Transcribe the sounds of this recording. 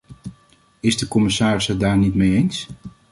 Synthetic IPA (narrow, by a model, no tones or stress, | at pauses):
ɪzdəkɔmɪsaːrɪsədaːɹnitmejejns